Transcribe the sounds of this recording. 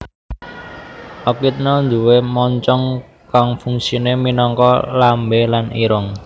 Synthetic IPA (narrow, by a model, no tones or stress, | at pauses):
ʔɔkit̪̚nɔnd̪uwemɔɲt͡ʃɔŋ | kaŋfuŋsineminɔŋkɔlambelanḭɾɔŋ